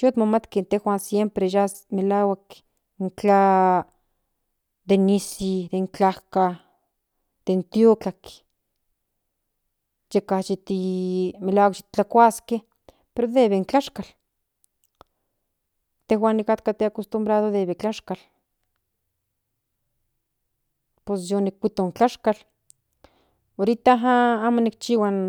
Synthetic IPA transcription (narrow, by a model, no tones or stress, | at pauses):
t͡ʃut̪mamat̪kent̪exʷansjempɾeʒas | melawak | ŋkt͡ɬa | d̪enisid̪eŋkt͡ɬahka | d̪̥ent̪jukak | jekat͡ʃit̪imelawakt͡ʃi̥t̪t͡ɬakʷaske | peɾoðeβeŋt͡ɬaʃkal | t̪ehwanːikat̪kat̪eakost̪umbɾaðoðeβet͡ɬaʃkal | posjonikːʷit̪oŋt͡ɬaʃkal | oɾit̪aɦaamonik̚t͡ʃiwan